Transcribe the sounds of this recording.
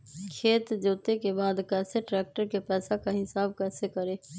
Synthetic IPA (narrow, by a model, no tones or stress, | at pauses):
kʰeːt̪d͡ʒoːt̪ekebaːd̪kɛːseʈɾɛːk̚ʈəɾkepɛːsakaɦɪsaːb̚kɛːsekəɾeː